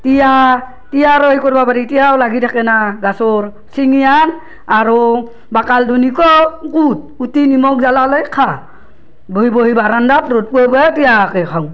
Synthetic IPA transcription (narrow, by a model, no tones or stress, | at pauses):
tija | tijaɾɔjkɔɾbapaɾitijawlaɡitʰakɛnaɡasɔɹ | siŋijan | aɾo | bakaldunikɔkut̚utinimɔkzalalɔjkʰa | boɦiboɦibaɾandatɾot̚puabuatijakekʰawŋ